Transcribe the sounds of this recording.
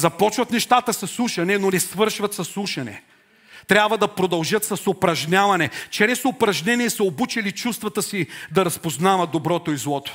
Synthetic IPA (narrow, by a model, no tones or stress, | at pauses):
zɐpɔt͡ʃvɐt̪nɛʃt̪at̪əsɐslˠuʃɐnɛnonɛsvɤɾʃvɐt̪sɐslˠuʃɐnɛ̰ | t̪ɾʲabvɐd̪ɐpɾod̪ɐlˠʒɤt̪sɐsopɾɐʒnʲavɐnɛt͡ʃɛɾɛsopɾɐʒnʲɛniɛsɐobut͡ʃɛlit͡ʃust̪vɐt̪əsid̪ɐɾɐspoznavɐtd̪obɾɔt̪oizlˠɔt̪o̥